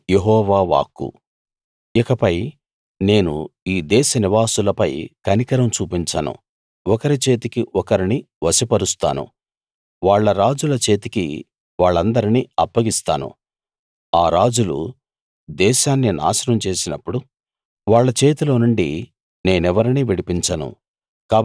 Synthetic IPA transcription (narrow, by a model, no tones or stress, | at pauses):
jeɦɔːʋaːʋa̰ːkːṵ | ikɐpɐj | ne̞ːnṵiːd̪ɛːʃɐniʋaːsulɐpɐjkɐnikɐɾɐmt͡ʃuːpiɲt͡ʃa̰ːnṵ | ɔkɐɾit͡ʃe̞ːt̪ikiʔɔkɐɾini | ʋɐsipɐɾust̪a̰ːnṵ | ʋaːɭːɐɾaːd͡ʒulɐt͡ʃe̞ːt̪ikḭ | ʋaːɭːɐnd̪ɐɾiniɐpːɐɡist̪aːnṵ | aːɾaːd͡ʒulṵ | d̪ɛːʃaːnːina̰ːsɐɾɐmt͡ʃe̞ːsinɐpːuɽu | ʋaːɭːɐt͡ʃe̞ːt̪ilo̞ːnuɳɖi | ne̞ːnɛʋɐɾiniʋiɽipiɲt͡ʃɐnṵ | kaː